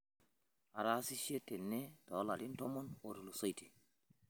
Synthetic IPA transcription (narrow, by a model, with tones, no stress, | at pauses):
a˨ɾa˦si˦ʃie˦te˨nːe˦dɔ˨˦la̰˨lintɔmɔnoɾu˨lusɔ˦jti˨